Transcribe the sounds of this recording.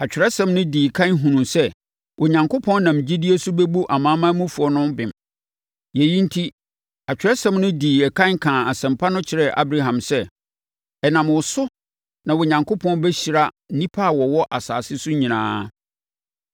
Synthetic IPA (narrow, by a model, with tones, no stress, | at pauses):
a˨t͡ɕᶣɪ˨ɾɛ˦sɛ̃˨mnʊ̃˦diː˨kʰã˦nɦũ˨nũ˨sɛ˦ | ʔʊ˨ɲã˨ŋkʊ˦pʰɔ̃˦n˦nã˨md͡ʑi˦di˦e˦sʊ˦bɛ˦bu˦ʔa˨mãː˦mã˦mũ˦fu˨ɔ˦nʊ̃˦mbɪ̃˨m | jɛ˨jĩ˦n̩˦tʰi˦ | a˨t͡ɕᶣɪ˨ɾɛ˦sɛ̃˦mnʊ̃˦diː˨ɛ˨kʰã˦nkʰãː˨a˨sɛ̃˨mpʰa˦nʊ̃˦t͡ɕʰɪ˨ɾɛ˨ʔa̰˦bɾa˦ɦã˨msɛ˦ | ɛ˨nã˨mwʊ˨sʊ˦ | nã˨wʊ˨ɲã˨ŋkʰʊ˦pʰɔ̃˦nbɛ˦ɕi˨ɾa˦n̩˦nĩ˦pʰa˦a˨wɔ˨wɔ˦ʔa˨sa̰ː˨sɪ˦sʊ˦ɲĩ˨nã̰ː˦